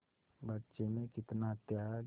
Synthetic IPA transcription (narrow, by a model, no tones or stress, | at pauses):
bətːʃemẽkɪt̪naɦət̪ja